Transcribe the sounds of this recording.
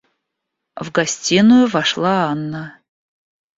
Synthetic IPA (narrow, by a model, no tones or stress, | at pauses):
vɡɐsʲtʲinʊjʊvɐʂlˠaanːə